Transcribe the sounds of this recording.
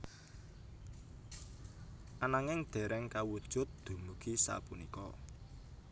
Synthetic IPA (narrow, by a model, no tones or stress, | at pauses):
ʔanaŋɪŋd̪̥ɛ̤ɾʔɛŋkawud̥ʒ̥ʊ̤t̪̚d̪̥ṳmuɡ̥isa̰punikɔ̰